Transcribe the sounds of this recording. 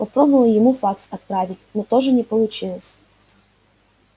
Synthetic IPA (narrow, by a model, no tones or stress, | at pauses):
pɔpɾɔbɔʋɐlˠɔjɔmufɑksɐt̪̚pɾɑʋʲitʲnɔt̪ɔʒɛnʲɛpɔlˠʊt͡ʃɪlˠɔsʲ